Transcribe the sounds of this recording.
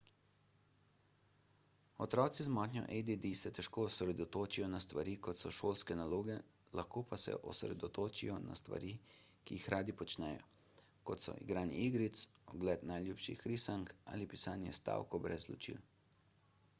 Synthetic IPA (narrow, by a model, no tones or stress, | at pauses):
ɔt̪ɾɔːt̪sizmɔːt̪nʲjɔ̰ʔed̪id̪isɛt̪ɛʃkoːsɾɛd̪ɔt̪oːt͡ʃijɔnast̪ʋaɾiːkɔt̪sɔʃoːlskɛnaloːɡɛ | laxkoːpasɛ̰ʔɔsɾɛ̰d̪ɔt̪oːt͡ʃijɔna̰st̪ʋa̰ɾiː | kijixɾaːd̪ipɔt͡ʃnɛjɔ̰ | kɔt̪sɔ̰ḭɡɾaːniiɡɾit̪sɔɡlɛt̪najlʲjuːpʃḭxɾisaŋka̰ːlipi̥saːnjɛ̰st̪a̰ːwkɔbɾɛzlɔt͡ʃḭl